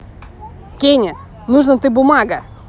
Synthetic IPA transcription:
keɲɐ | nuʒnɐ̃w̃t̪ẽbumaɡɐ

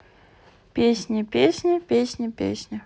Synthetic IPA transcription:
pʲesʲnʲɪpʲesʲnʲɪpʲesʲnʲɪpʲḛsʲnʲɪ

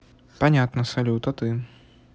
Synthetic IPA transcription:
panʲat̪nɐsɐlʲut̪ɐt̪ɨ

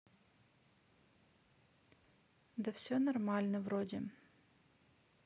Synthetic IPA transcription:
d̪ɐfsʲonɐrmalʲnəvɾodʲɪ

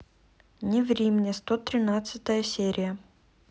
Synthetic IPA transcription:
nʲɪvɾʲimʲnʲɪst̪ot̪ɾʲɪnat̪sɨt̪əjəsʲeɾʲʔɪjə

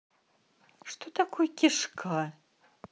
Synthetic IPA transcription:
ʂt̪ot̪akʰojɛkʲiʂkʰa

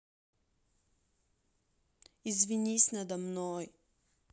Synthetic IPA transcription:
izvʲinʲisʲnɐd̪ɐmnoj

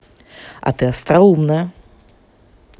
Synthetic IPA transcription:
ɐ̰t̪ɨɐst̪ɾɐumnɐj

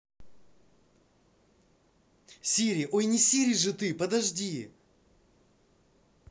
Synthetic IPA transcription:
sʲiɾʲɪʔojnʲɪsʲiɾʲɪjʐɨt̪ɨpɐd̪ɐʐdʲi

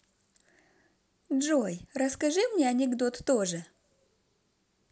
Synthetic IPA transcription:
ʐojɾəskɐʐɨmnʲeɐnʲɪɡd̪ot̪ːoʐɨ

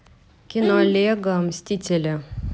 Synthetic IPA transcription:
kʲɪnolʲeːɡɐɐmʲsʲt̪ʲiːt̪ʲelʲɛ

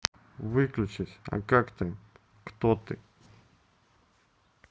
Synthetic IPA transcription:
vɨklʲʊt͡ɕɪsʲɐ̰kakt̪am | kt̪ot̪ɨ̰

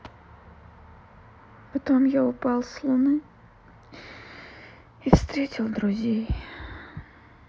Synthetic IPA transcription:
pɐt̪omjaʊpɑlˠslˠʊnɨ | ifst̪ɾʲetʲɪlˠd̪ɾʊzʲej

